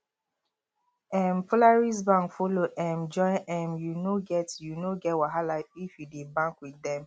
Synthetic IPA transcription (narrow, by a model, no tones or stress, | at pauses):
ɛmfolaɹiz̬bãŋkfoloʔɛmd͡ʒɔʔɛmjunoɡɛtjunoɡɛtwaɦalaifjudebãŋkwidɛ̃m